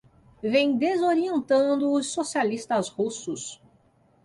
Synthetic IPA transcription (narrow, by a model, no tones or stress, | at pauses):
vẽj̃d̪ezoɾiẽnt̪ɐ̃d̪ʊːsːosialist̪ɐshusʊs